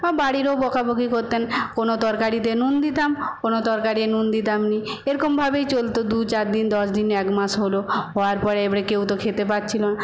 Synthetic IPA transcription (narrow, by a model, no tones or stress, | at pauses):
ɔbaɽiɾobɔkaboɡʱikoɾt̪enkonot̪ɔɾkaɾit̪̬enund̪it̪amkonot̪ɔɾkaɾienund̪it̪amnieɾɔkombʱabejt͡ɕolt̪od̪ut͡ɕaɾd̪ind̪ɔsd̪inɛkmasɦoloɦɔaɾpɔɾeebaɽekewt̪okʰet̪epatːt͡ɕʰilona